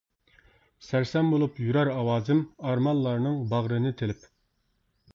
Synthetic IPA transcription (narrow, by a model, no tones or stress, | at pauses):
sæɾsɛmbolˠupjyɾæɾɑwɑːzɪmɑɾmɑlˠːɑɾnɨŋbɑʁɾɨnɨt̪ʰelɪp